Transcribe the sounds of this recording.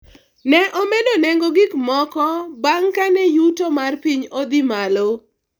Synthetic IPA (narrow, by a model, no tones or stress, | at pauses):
nɛʔɔmedonɛŋɡoɡɪkmɔkɔbaŋkanɛjutomarpiɲod̪ɪmalo